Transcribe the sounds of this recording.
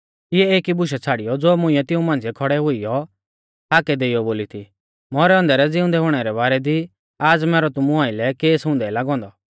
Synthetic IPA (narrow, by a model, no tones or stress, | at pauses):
ɪɛeːkibʊʃ̬ɛt͡sʰaːɽɪjɔd͡zoːmʊ̃ɪ̃ɛt̪ɪũmãːnd͡zijɛkʰɔɽɛɦʊijɔ | aːkɛd̪eːɪjɔboːlit̪ʰi | mɔɾɛɔ̃nd̪ɛɾɛd͡zɪʊ̃nd̪ɛɦʊɽ̃ɛɾɛbaːɾɛd̪i | aːd͡zmɛːɾɔt̪ʊmũaːɪlɛkeːsɦʊ̃ːnd̪ɛlaːɡɔ̃ːnd̪ɔ